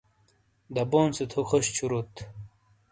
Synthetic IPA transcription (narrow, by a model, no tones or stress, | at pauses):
d̪ɐboːnset̪ʰuxoɕt͡ɕʰuɾut̪